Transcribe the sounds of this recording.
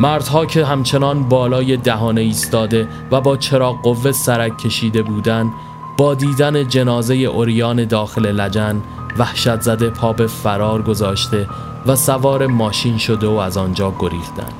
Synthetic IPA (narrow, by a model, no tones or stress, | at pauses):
mæɾd̪̥hɒːcʰe̞ɦæmt͡ʃʰe̞nɒːnbɒːlɒːje̞d̪æɦɒːne̞iːst̪ɒːd̪e̞ | væbɒːt͡ʃʰe̞ɾɒːo̞vːe̞sæɾækʲʰːe̞ʃiːd̪e̞buːd̪ænd̪ | bɒːd̪iːd̪æne̞d͡ʒe̞nɒːze̞je̞ʔoɾijɒːne̞d̪ɒːxe̞le̞læd͡ʒæn | væhʃæt̪ʰzæd̪epʰɒːbe̞fæɾɒːɾɡo̞zɒːʃt̪e̞ | væsævɒːɾe̞mɒːʃiːnʃo̞d̪e̞oæzɒːnd͡ʒɒːɡo̞ɾḭːft̪æ̰nd̪̥